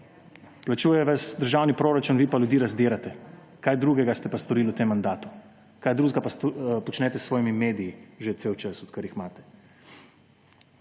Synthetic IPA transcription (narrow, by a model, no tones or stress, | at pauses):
plat͡ʃuːjɛʋasd̪əɾʒawnipɾoːɾat͡ʃunʋipalʲjud̪iːɾazd̪eːɾat̪ɛ | kaːjd̪ɾuːɡɛɡast̪ɛpast̪ɔɾiːlut̪emːand̪aːt̪u̥ | kaːjd̪ɾuːzɡapaspɔt͡ʃnɛːt̪ɛsːʋɔːjimimeːd̪ijiʒet̪seːwt͡ʃəsɔt̪kəɾjixmaːt̪ɛ̥